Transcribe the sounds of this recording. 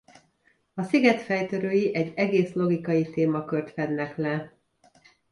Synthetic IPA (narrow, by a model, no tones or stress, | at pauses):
ɒsiɡɛt̪fɛjt̪øɾøːjiʔɛɟːɛɡeːslo̞ɡikɒjit̪eːmɒkørt̪ʋɛnːɛklɛ